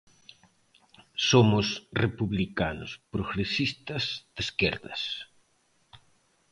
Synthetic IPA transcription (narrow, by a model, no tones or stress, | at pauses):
somʊsrepuβlikanʊ̰spɾoɣɾesist̪ɐzd̪̥eskeɾðɐ̰s